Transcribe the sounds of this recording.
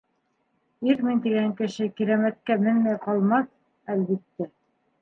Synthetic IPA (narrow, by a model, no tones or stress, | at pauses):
iɾmint̪iɡæŋkɘ̆ʃɘkiɾæmæt̪̚kæmɘnmæjqɑlˠmɑs | ælβit̪ːæ